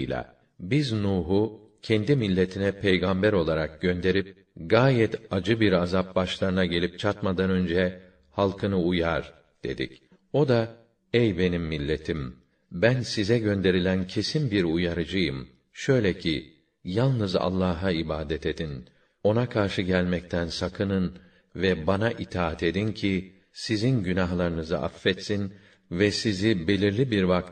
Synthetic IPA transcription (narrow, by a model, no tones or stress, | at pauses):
lʲa̰ | biznuːɦu | cʰɛnd̪imilʲːe̞t̪ʰinɛpʰejɡambæɾo̞lˠaɾak̚ɟ̥ø̞nd̪e̞ɾip̚ | ɡaːjɛt̪ʰad͡ʒɯbiɾazap̚baʃlˠaɾɯnaɟe̞lʲip̚t͡ʃʰat̪mad̪anø̞nd͡ʒɛ | halˠkʰɯnɯujaɾ | d̪̥e̞̰d̪ḭc | o̞d̪a | ejbe̞nimːilʲːe̞t̪ʰim | bænsizɛɟø̞nd̪e̞ɾilʲæncʰe̞sinbiɾujaɾɯd͡ʒɯjɯm | ʃø̞jlʲɛcʰi | jalˠnɯza̰lˠːaːɦaibaːd̪ɛt̪e̞d̪in | o̞nakʰaɾʃɯɟælʲmɛc̚t̪ʰænsakʰɯnɯn | vɛbanaʔit̪ʰaːat̪ʰe̞d̪incʰi | sizinɟynaɦlˠaɾɯnɯzɯ̰ʔa̰fːɛt̪sin | vɛsizibe̞lʲiɾlʲibiɾvak̚t̪